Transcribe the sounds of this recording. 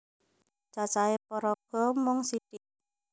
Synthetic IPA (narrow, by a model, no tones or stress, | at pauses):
t͡ʃat͡ʃaepɔɾɔɡ̥ɔ̤mɔŋsiʈiʔ